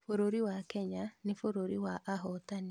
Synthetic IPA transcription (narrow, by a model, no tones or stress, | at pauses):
foɾoɾiwakɛɲanefoɾoɾiwaʔːɦɔtane